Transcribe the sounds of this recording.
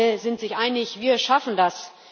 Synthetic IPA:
əzɪntz̥ɪçʔaɪnɪçviːɐʃafn̩das

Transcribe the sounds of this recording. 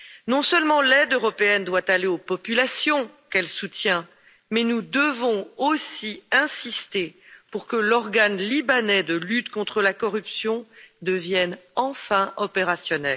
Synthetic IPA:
nɔ̃səlmɑ̃lɛd̪øʁɔpeɛnd̪wat̪aleopɔpylasjɔ̃kɛlsut̪jɛ̃ | mɛnud̪əvɔ̃osiɛ̃sist̪epuʁkəlɔʁɡanlibanɛd̪əlyt̪kɔ̃t̪χəlakɔʁypsjɔ̃d̪əvjɛnɑ̃fɛ̃ʔɔpeʁasjɔnɛl

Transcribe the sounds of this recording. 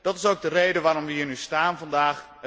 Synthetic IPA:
d̥ɑtɪ̥sowk̚dərejdəʋaːɾɔmʋəɦiːrnystaːnvɑndaːχ

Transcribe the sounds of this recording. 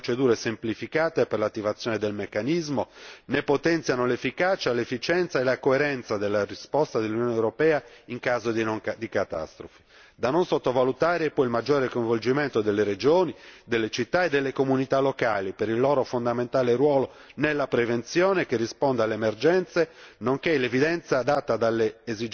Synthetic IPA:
pot͡ʃed̪uːɾesemplifikaːt̪eperlat̪ːivat̪sːjɔːned̪elmekːanizmonepːot̪ɛnt̪sjanolefːikat͡ʃalefːit͡ʃɛnt̪saelakoeɾɛnt̪sad̪elːarispɔst̪ad̪elːunjɔːnewɾopɛːaiŋkaːzod̪inoŋd̪ikat̪a̰st̪ɾofi̥ | d̪anonsot̪ːovalut̪aːɾepɔilmad͡ʒːɔːɾekojɱvold͡ʒiment̪od̪elːeɾed͡ʒoːnid̪elːet͡ʃit̪ːaed̪ːelːekomunit̪alːokaːlipeɾilːɔːɾofond̪ament̪aːlerwɔːlo | nelːapɾevent̪sjɔːnekerːispɔnd̪alemerd͡ʒɛnt̪senoŋkelevid̪ɛnt̪sad̪at̪ːad̪alːeːzid͡ʒ

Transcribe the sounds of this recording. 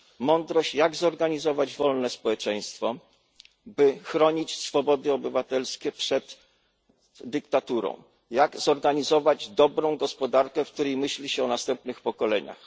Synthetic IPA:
mɔnd̪ɾɔɕt͡ɕjaɡzɔɾɡaɲizɔvad͡ʑvɔlnɛspɔwɛt͡ʂɛj̃st̪fɔ | bɘxɾɔɲit͡ɕsfɔbɔd̪ɘɔbɘvat̪ɛlskʲɛpʂɛd̪ | d̪ɘkt̪at̪uɾɔ̰̃w̃ | jaɡzɔɾɡaɲizɔvad͡ʑd̪ɔbɾɔ̃w̃ɡɔspɔd̪aɾkɛfk̚t̪uɾɛjmɘɕlʲiɕɛɔnast̪ɛmp̚nɘxpɔkɔlɛɲa̰x

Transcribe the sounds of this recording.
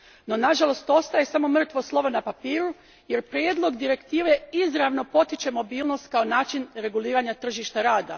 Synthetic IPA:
no̞naʒalˠo̞st̪o̞st̪aje̞samo̞mr̩t̪ʋo̞slˠo̞ʋonapapiːɾu | je̞ɾpɾʲjeːd̪lˠo̞ɡd̪iɾe̞kt̪iːʋeizɾaʋno̞po̞t̪it͡ʃe̞mo̞biːlˠno̞st̪̚kaonaːt͡ʃinɾe̞ɡuliːɾaɲat̪r̩ʒiʃt̪aɾaːd̪a̰

